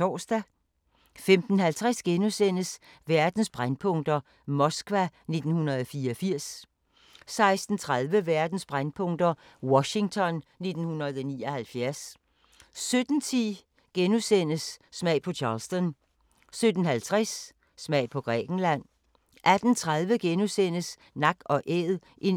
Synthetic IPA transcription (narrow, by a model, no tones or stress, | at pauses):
ɒ̰ːsd̥æ | femd̥n̩hælt͡sʰʁasɡ̥enusen̰əs | ʋæɐd̥n̩sb̥ʁanpʰɔ̽ŋd̥ɐ | mɒ̽sɡ̥ʋæne̝d̥n̩hunɐð̩ˠɒfiːɐɒfiɐ̰s | sɑ̈ɪsd̥n̩t͡sʰʁaðˠʋəʋæɐd̥n̩sb̥ʁanpʰɔ̽ŋ̰d̥ɐ | wɒ̽ɕi̝ŋt͡sʰɒ̽nne̝d̥n̩hunɐð̞̩ˠɒ̽nḭːɒ̽hælfjæɐs | sød̥n̩t͡sʰḭ | ɡ̥enusen̰əsːmɛ̰ɪ̰pʰɒ̽t͡ɕʰɑ̈ːlsd̥ɔn | sød̥n̩hælt͡sʰʁɛsː | mɛɪ̰pʰɒ̽ɡ̥ʁɛ̰ːɡ̥n̩læn̰ | ʔæd̥n̩t͡sʰʁað̞ˠʋəɡ̥enusen̰əs | nɑ̈ɡ̥ɒ̽ʔeðˠ | ʔe̝n